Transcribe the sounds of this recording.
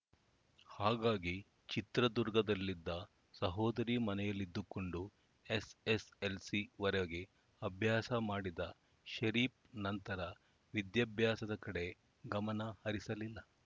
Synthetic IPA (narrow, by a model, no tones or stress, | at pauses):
haːɡaːɡi | t͡ʃit̪ɾɐd̪uɾɡɐd̪ɐlːid̪ːɐ | sɐɦoːd̪ɐɾiːmɐnɛjɐlːid̪ːuko̞ɳɖu | eseselsiʋɐɾɛɡe | ɐbʱjaːsɐmaːɽid̪ɐ | ʃɐɾiːp̚nɐnt̪ɐɾɐ | ʋid̪jɐbʱjaːsɐd̪ɐkɐɽe̞ | ɡɐmɐnɐhɐɾisɐlilːɐ